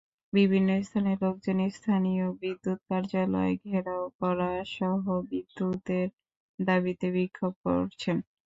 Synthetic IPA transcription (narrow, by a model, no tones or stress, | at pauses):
bibʱinːost̪ʰaneloɡ̚d͡ʑonist̪ʰanijobid̪ːut̪̚kaɾd͡ʑalɔ̰eɡʱeɾaokɔɾaʃɔɦobid̪ːut̪eɾ | d̪abit̪eβikʰːob̚ko̰ɾt͡ɕʰen